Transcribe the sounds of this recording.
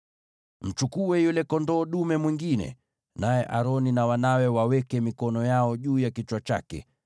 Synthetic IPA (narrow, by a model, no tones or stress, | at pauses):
m̩t͡ʃukuɛjulɛkɔndɔːɗumɛmwiŋɡinɛ̰ | najɛʔaɾɔninawanawɛwawɛkɛmikɔnɔjaɔʄuːjakit͡ʃwat͡ʃa̰kɛ̰